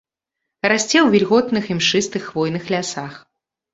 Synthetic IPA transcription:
rasʲt͡sʲɛwvʲilʲɣɔt̪nɨximʂɨst̪ɨxvɔjnɨxlʲasax

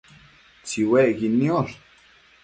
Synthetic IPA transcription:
t͡siweʔɡinjoɾ

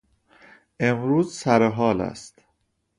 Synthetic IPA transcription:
ʔe̞mɾuːzsæɾeɦɒːlæ̰st̪

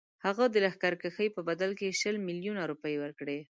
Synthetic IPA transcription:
haɣad̪əlaxkaɾkəxəjpəbad̪alkeʃəlmiljunaɾupəjwəɾkɽe

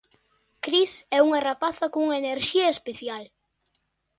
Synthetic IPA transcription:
kɾisɛuŋaerapaθɐkoŋuŋaeneɾʃiɐespeθjal

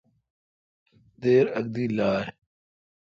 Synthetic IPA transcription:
d̪eːɾəɡ̚d̪iːlaːɾ

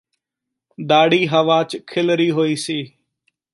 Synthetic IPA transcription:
d̪aːɽiːɦəʋaːt͡ʃkʰɪlɾiːɦoːiːsiː

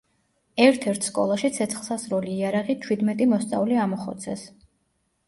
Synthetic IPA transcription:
ɛɾt̪ʰɛɾt̪ʰskʼɔ̰lˠaʃit̪sʰɛt̪sʰχlˠsasɾɔliːaɾaʁit͡ʃʰwid̪mɛt̪ʼimɔst̪sʼa̰vliamɔχɔ̰t̪sʰɛs

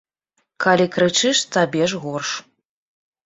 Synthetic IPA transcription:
kalʲikɾɨt͡ʂɨʂt̪abʲɛʐɣɔrʂ

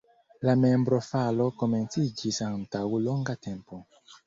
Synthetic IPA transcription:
lamembɾo̞falo̞ko̞me̞nt͡sid͡ʒisantawloŋɡate̞mpo

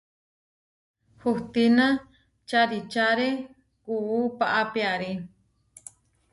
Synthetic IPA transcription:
huht̪inã | t͡ʃaɾit͡ʃaɾe | kuupaʔapiaɾi

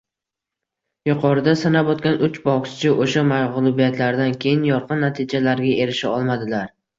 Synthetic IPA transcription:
jʊqʰɒɾɪd̪asanabɒt̪kʲanʔʊt͡ʃbɒʁst͡ʃʰɪʔoʃamaʁlˠʊbijat̪ʰlaɾd̪ankʲʰe̞jɪnjɒɾqʰɨnːat̪ʰɪd͡ʒalaɾɡʲae̞ɾɪʃaɒlˠmad̪ɪlaɾ

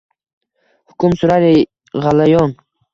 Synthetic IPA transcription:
hʊkʰʊmsʊɾaɾi | ʁalajɔn

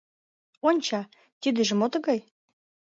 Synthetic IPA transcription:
onʲt͡ɕɑ | t̪ʲid̪ĕʒĕmot̪ɤɣɑj

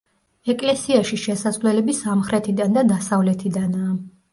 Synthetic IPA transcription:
ɛkʼlɛsiaʃiʃɛsazlɛlɛbisamχɾɛt̪ʰid̪and̪ad̪asavlɛt̪ʰid̪anaː

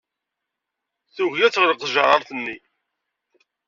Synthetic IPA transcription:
θuʝjæt͡sːʁləqʒɑʁəɾθənːi

